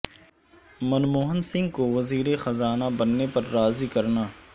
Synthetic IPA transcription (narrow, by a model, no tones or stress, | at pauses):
mɐnmoːɦənsɪ̃ŋɡkoʋɐziːɾexɐzaːnabɐnːepɐɾːaːzikɐɾnaː